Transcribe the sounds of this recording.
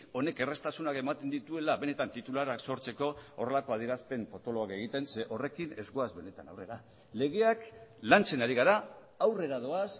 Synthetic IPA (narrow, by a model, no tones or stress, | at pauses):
o̞ne̞ke̞re̞st̪asunake̞mat̪e̞nd̪it̪ue̞laβe̞ne̞t̪ant̪it̪ulaɾakso̞ɾt͡se̞ko̞o̰re̞lako̞aðiɾaspe̞mfo̞t̪o̞lo̞ake̞ɣ̞it̪e̞nse̞ʔo̞re̞kine̞zɣoazβe̞ne̞t̪anawre̞ɾa | le̞ɣ̞e̞aklant͡se̞naɾiɣaɾa | awre̞ɾað̞o̞as